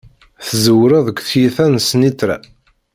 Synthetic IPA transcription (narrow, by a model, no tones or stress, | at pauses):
θəzəwɾæðəkʷːθjiθænsnit͡s̪ːɾæ̰